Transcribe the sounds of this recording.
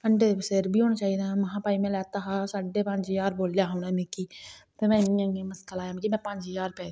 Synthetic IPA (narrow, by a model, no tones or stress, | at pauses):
kəɳɖeseɾbiːɦoːnaːt͡ʃaːid̪aːməɦãːpaːimɛ̃ːlɛːt̪aːɦaːsaːɖeːpəɲd͡ʒɪjaːɾboːljaːɦoːnɛːmẽːkiːt̪emɛ̃ːniãːŋẽməskəlaːjãːm̃ːkimɛ̃ːpəɲd͡ʒjaːɾpɛː